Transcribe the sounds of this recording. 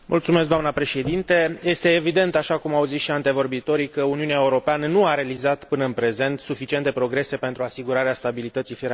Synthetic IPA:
mʔṵlt̪sume̞sk̚ɡd̪oamnəpɾe̞ʃe̞d̪int̪e̞je̞st̪e̞ːvid̪e̞nt̪aʃakumawzisʃiant̪e̞vo̞rbit̪o̞ɾikəuniuneaeuɾo̞peanənuaɾealizat̪pɨnəɨnpɾe̞ze̞nt̪sufit͡ʃiet̪e̞pɾo̞ɡɾe̞se̞pe̞nt̪ɾuasiɡuɾaɾeast̪abilit̪ət̪sifiɾ

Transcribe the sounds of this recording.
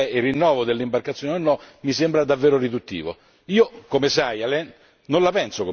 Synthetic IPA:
ɛirːinːɔːvod̪elːimbarkat̪sjoːneonːɔmisembɾad̪avːeːɾoɾid̪ut̪ːḭːvo̰ | iːokomesajalɛ | nonlapɛnsoko

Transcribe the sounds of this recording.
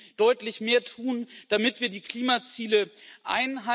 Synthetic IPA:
d̥ɔʏtlɪçmeːɐtʰuːnd̥amɪtv̥iːɐdiːkl̥iːmat͡siːləʔa̰ɪnɦa

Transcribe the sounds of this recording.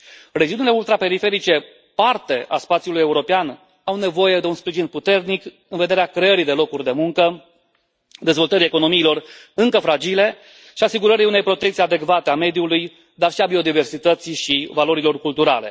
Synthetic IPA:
red͡ʒiunile̞ult̪ɾape̞ɾife̞ɾit͡ʃe̞ | part̪e̞ʔa̰spat̪sjulujeuɾo̞pean | awne̞vo̞je̞d̪e̞unspɾiʒinput̪e̞rnik | ɨnve̞d̪e̞ɾeakɾe̞əɾid̪elo̞kurʲd̪e̞muŋkə | d̪e̞zvo̞lt̪əɾie̞ko̞no̞miːlo̞rɨŋkəfɾad͡ʒile̞ | ʃiasiɡuɾəɾiune̞jpɾo̞t̪ekt̪siad̪e̞kvat̪e̞ame̞d̪iuluj | d̪arʃiabio̞d̪ive̞rsit̪ət̪siʃivalo̞ɾilo̞rkult̪uɾa̰le̞̰

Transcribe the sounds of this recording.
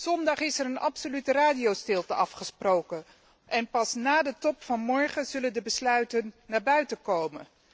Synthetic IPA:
z̥ɔndɑχɪsɛɾənɑ̰psolytəraːdiowstɪlˠtəɑfχəsprowkən | ʔɛnpɑsnaːdətɔpfɑnmɔɹχəzɵləndəbəslœɥtənːaːɹbœɥtəkowmə̰n

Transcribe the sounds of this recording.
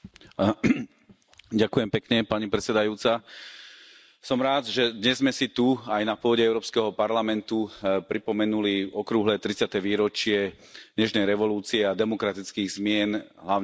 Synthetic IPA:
ɟakujɛmpɛkɲɛpaɲipɾɛt͡sɛd̪ajuːt͡sa | sɔmɾaːd̪ʒɛd̪ɲɛzmɛsit̪uajnapʊɔɟɛɛʊɾɔːpskɛɦɔpaɾlamɛnt̪upɾipɔmɛnuliɔkɾuɦlɛːt̪ɾit͡sɪat̪ɛʋiːɾɔt͡ʃɪɛ | ɲɛʃnɛjɾɛʋɔluːt͡siɛad̪ɛmɔkɾat̪it͡skiːɣzmɪɛnɦlaʊ

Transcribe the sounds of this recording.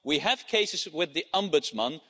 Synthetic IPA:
wiɨv̥kʰeɪsɨzwɪðiʌ̃mbʊdzmə̃n

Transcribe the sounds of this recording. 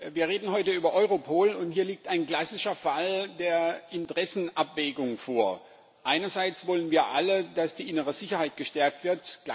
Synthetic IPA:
viːɐʁeːdn̩ɦɔʏtəyːbɐʔɔʏʁopʰoːlʊnthiːɐliːk̚taɪnɡlasɪʃɐfaldeːɐɪntəʁ̥ɛsn̩ʔapv̥ɛːɡʊŋfoːɐ | ʔaɪnɐzaɪt͡sv̥ɔlənviːɐʔalədasd̥iːʔɪnəʁəzɪçɐhaɪt̚ɡ̥əʃtɛɐk̚tv̥ɪɐtɡ̥

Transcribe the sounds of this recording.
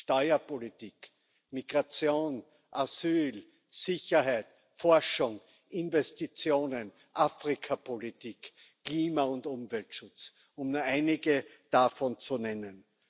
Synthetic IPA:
ʃtɔʏɐpʰolitiːk | miɡ̥ʁat͡sjoːn | ʔasyːl | sɪçɐɦæɪt | fɔɐʃʊŋ | ʔɪnvɛstit͡sjoːnən | ʔafʁɪkʰapʰolitiːkʰː | liːmaʊntʊmvɛltʃʊt͡s | ʊmnuɐæɪnɪɡəd̥afɔnt͡sunɛnən

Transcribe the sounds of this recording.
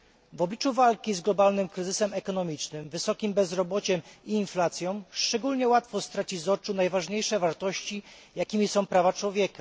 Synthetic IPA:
vɔblʲit͡ʂuvalkʲizɡlɔbalnɘmkɾɘzɘsɛmɛkɔnɔmʲit͡ʂnɘmvɘsɔkʲimbɛzɾɔbɔt͡ɕɛmiːnflat̪sʲjɔ̃w̃ʂt͡ʂɛɡulɲɛwat̪fɔst̪ɾat͡ɕizɔt͡ʂunajvaʐɲejʂɛvaɾt̪ɔɕt͡ɕijakʲimʲisɔ̃w̃pɾavat͡ʂwɔvʲjɛka

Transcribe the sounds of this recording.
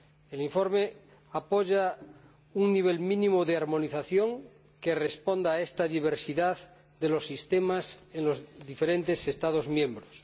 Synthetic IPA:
eliɱfo̞ɾme | apoʝa | uŋniβ̞elmĩnĩmoðeaɾmo̞niθaθjoŋ | ke̞respond̪aːest̪aðiβ̞eɾsiðað | d̪elosːist̪emasenlozðifeɾent̪e̞sest̪að̞ozmjẽ̞mbɾos

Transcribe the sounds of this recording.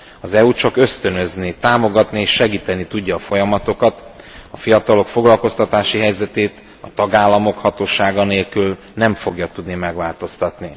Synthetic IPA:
ɒzɛut͡ʃɒkø̞st̪ø̞nø̞znit̪aːmo̞ɡɒt̪nieːʃːɛɡiːt̪ɛnːit̪uɟːɒːfo̞jɒmɒt̪o̞kɒt̪ | ɒfijɒt̪ɒlo̞kfo̞ɡlɒlko̞st̪ɒt̪aːʃiɦɛjzɛt̪eːt̪ | ɒt̪ɒɡaːlːɒmo̞khɒt̪oːʃaːɡɒneːlkyl | nɛɱfo̞ɡjɒt̪ud̪nimɛɡʋaːlt̪o̞st̪ɒt̪ni

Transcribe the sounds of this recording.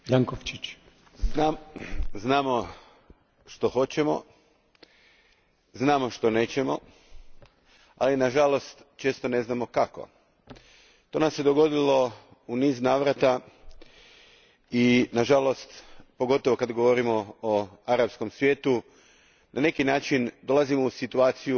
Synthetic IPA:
jaŋkoft͡ʃit͡ɕ | naznaːmo̞ | ʃt̪o̞xo̞t͡ɕemo̞̰ | znaːmo̞ʃt̪o̞ne̞ːt͡ɕemo̞ | a̰linaʒalo̞st̪t͡ʃe̞ːst̪o̞ne̞znamo̞kako̞̰ | t̪o̞ːnamsed̪o̞ɡo̞d̪ilo̞ | uniːznaːʋɾat̪a | inaʒalo̞st̪po̞ɡo̞t̪oʋo̞kad̪ɡo̞ʋo̞ɾimo̞ːaɾapsko̞msʋje̞ːt̪u | nʔane̞kinaːt͡ʃind̪o̞lˠazimo̞usit̪uaːt̪siju

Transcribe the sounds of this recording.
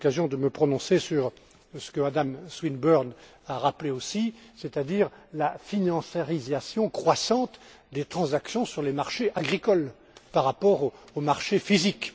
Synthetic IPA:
kazjɔ̃d̪əməpχɔnɔ̃sesyʁ | sə̥kəmad̪amswinbœʁn | aʁapleosiset̪ad̪iːʁlafinɑ̃seʁizasjɔ̃kχwasɑ̃t̪ | d̪et̪χɑ̃zaksjɔ̃syʁlemaʁʃeʔaɡʁikɔl | paʁːapɔʁoomaʁʃefizik

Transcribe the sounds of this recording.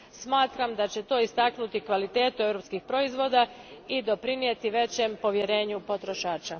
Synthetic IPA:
smaːt̪ɾamd̪at͡ɕe̞t̪o̞ːist̪aknut̪ikʋalit̪e̞ːt̪ue̞vɾopskixpɾo̞izʋo̞ːd̪aid̪o̞pɾinije̞t̪iʋe̞t͡ɕe̞mpo̞ʋje̞ɾe̞ːɲupo̞t̪ɾo̞ʃaːt͡ɕa

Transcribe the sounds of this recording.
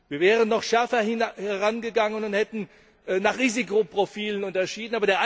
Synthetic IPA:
viːɐvɛːʁənːɔχʃɛɐfɐhɪhɛʁanɡəɡaŋənʊnthɛtn̩ | ʔnaːχʁiːzikopʁ̥ofiːlənʊntɐʃiːdn̩aːbɐɾeːɐʔa

